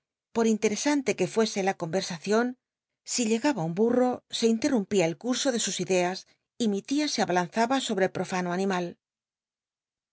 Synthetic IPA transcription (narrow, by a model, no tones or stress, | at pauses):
po̞ɾint̪e̞ɾe̞sant̪e̞ke̞fwe̞se̞lako̞mbe̞ɾsaθjo̞n | siʎe̞ɣaβaumburo̞se̞int̪e̞rumpiaelkuɾso̞ðe̞susiðe̞as | imit̪iaseaβalanθaβaso̞βɾelpɾo̞fanoanĩmal